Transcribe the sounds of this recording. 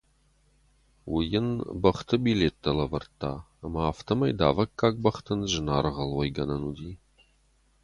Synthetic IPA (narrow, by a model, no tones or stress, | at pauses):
wʊjɪnbɐχt̪ʰɨbileːt̪ːɐlɐvɐrt̪ʰːaː | ɐmɐaːft̪ʰɐmɐjd̪a̰ːvɐkːaːk̚ʼbɐχt̪ʰɨnʒɨnaːɾʁɐlwɐjɡɐnɐnud̪iː